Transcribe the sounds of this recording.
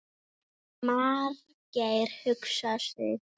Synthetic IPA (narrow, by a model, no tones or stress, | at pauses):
maːɾ | caːjɾ̥hʏksasɪ̰